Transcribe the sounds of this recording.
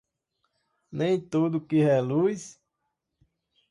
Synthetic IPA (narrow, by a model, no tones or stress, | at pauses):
nẽj̃t̪od̪ʊkɪɦɛlujs